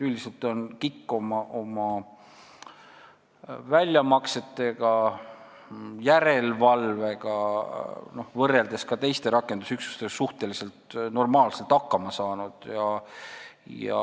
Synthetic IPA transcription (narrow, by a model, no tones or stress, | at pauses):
yld̪ise̞lt̪ˑo̞nkikːo̞mɑʔomɑ | vælʲjɑmɑkse̞t̪ːˑe̞ɡ̥ɑ | jæɾe̞lvɑlve̞ɡ̥ɑ | no̞hvɤrːe̞ld̪e̞skɑt̪e̞jst̪e̞ɾɑkːˑe̞nd̪̥usyksu̥st̪eɡsuht̪e̞lise̞lt̪no̞rmɑːlse̞lt̪ːɑkːɑmɑsɑːnud̪̥jɑ | jɑ̰